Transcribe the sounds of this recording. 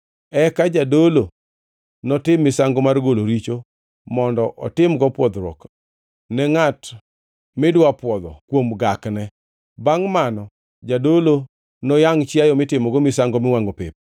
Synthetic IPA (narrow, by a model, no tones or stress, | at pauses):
ɛkad͡ʒadolo | nɔtɪmːɪsaŋɡomarɡoloɾit͡ʃo | mɔndɔʔɔ̰tɪmɡɔpwɔd̪ɾɔ̰k | nɛŋat | mɪdwapwɔd̪ɔ̰kwomɡaknɛ | baŋmanɔ | d͡ʒadolo | nɔjaŋt͡ʃjajɔmɪtɪmɔɡɔmɪsaŋɡɔmɪwaŋɡopɪ̰p̚